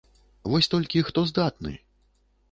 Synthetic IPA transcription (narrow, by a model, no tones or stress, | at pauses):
vɔsʲt̪ɔlʲkʲixt̪ɔzd̪at̪̚nɨ̰